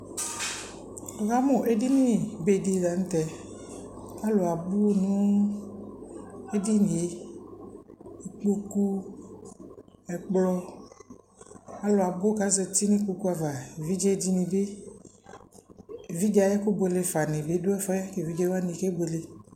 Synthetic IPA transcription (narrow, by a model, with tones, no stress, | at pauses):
o˨ka˦mõ˨ʔe˦di˦nĩ˦be˨di˨la˨n̩˦t̪ɛ˨ | a˦lo˨a˨bo˦nũ˦ | e˦di˦nĩ˨e˦ | i˨k͡pu˦ku˦ | ɛ˨k͡plɔ˦ | a˦lo˨a˨bo˦ka˦zɛ˨t̪i˦nĩ˦k͡pu˦ku˦a˨va˨vi˦d͡ʒɛ˦d͡ʒi˦nĩ˨be˦˨ | vi˦d͡ʒa˦˨jɛ˦ku˦bo˨le˨fa˨nɪ̃˨be˨˦do˦ɛ˦fɔ˦ɛ˦ke˨vi˦d͡ʒɛ˦wa˦nĩ˨ke˦be˨le˨